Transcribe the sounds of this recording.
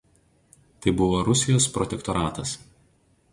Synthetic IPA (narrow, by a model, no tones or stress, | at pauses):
t̪ɐɪbʊʋoːɾʊsʲɪjoːspɾɔt̪ʲɛkt̪ɔɾɑːt̪ɐs